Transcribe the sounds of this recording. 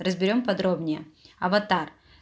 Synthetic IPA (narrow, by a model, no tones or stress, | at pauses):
rəzbʲɪɾʲo̞mpɐd̪ɾobnʲɪjəɐvɐt̪ar